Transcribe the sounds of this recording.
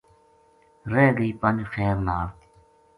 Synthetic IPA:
ɾeːɡəiːpɐnd͡ʒxeːɾnaːɾt̪i̥

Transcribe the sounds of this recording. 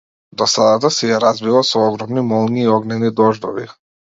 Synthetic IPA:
d̪ɔsad̪at̪̬asɛjɛɾazbilˠasɔɔɡɾɔmnimɔlˠniːɔɡnɛnid̪ɔʒd̪ɔvi

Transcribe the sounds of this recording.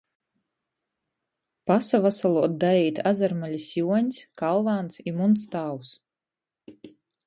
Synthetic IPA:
pasavasalˠuɔt̪̚d̪ajɛjt̪azaɾmalʲisjuɔɲskalˠvaːnsimunt̪st̪aws

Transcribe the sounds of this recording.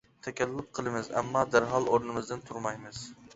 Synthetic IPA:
t̪ʰɛkʲɛlːɪlˠɪp̚qʰəlˠɨmɨzɛ̰mːɑd̪æɾɦɑlˠoɾnɨmɨzd̪ɨnt̪ʰuɾmɑjmɨz̥

